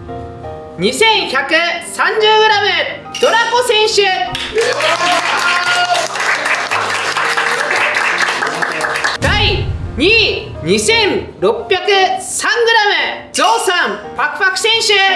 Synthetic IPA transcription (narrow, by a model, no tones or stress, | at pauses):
ɲisẽ̞ɰ̃çakɯsãɲd͡ʑɨːɡɯ̟ɾamɯ | d̪̥oɾakosẽɰ̃ɕɯ | d̪̥aiɲi | ɲisẽ̞n | ɾopːjakɯ̟sãŋɡɯ̟ɾamɯ | d͡zoːsãmpakɯ̟̥pakɯ̟̥sẽɰ̃ɕɯ